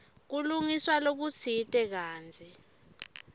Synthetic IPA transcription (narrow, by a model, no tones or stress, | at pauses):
k̬uluŋiswalok̬ut͡sʰitʼɛk̬aːnd͡zʱi